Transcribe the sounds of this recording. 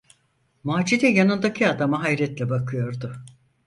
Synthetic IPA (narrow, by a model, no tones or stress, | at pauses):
maːd͡ʒid̪ɛjanɯnd̪acʰiad̪amaɦajɾɛt̪lʲɛbakʰɯjo̞ɾd̪ʊ